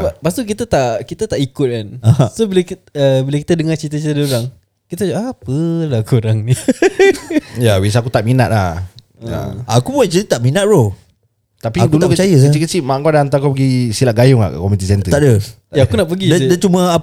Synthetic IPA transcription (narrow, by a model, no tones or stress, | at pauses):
bapast̪uk̬it̪at̪aʔkit̪at̪aʔikʊt̪̚kanahsobiləkəbiləki̥t̪ədəŋat͡ʃit̪̬ət͡ʃit̪əduɾaŋ | kit̪ad͡ʒaʔapəlakuɾaŋni | jawis̬akut̪aʔmina̰t̪̚lah | ja̰akubuat͡ʃəit̪aʔminaʔ̚ɾo | t̪apiadulukt͡ʃajəsət͡ʃikət͡ʃimaʔkoadaant̪akopəɡisilaʔɡajʊŋa̰ʔka̰kɔmit̪̬isɛnt̪əaʔdə | jaakunaʔp̬əɡidadat͡ʃumãa